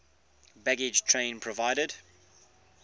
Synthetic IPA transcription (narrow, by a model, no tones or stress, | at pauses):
bæɡɪd͡ʒtʰɹ̥ẽɪ̃npʰɹəvaɪɾəd̥